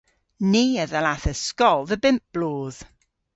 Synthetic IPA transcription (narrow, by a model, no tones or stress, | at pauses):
niːəðəlaθəskɔlˠðəbɪmp̚b̥loːð̥